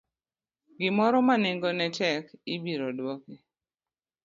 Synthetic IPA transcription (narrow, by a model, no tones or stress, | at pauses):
ɡɪmɔɾɔmaneŋɡɔnɛtɛkibiɾodwɔki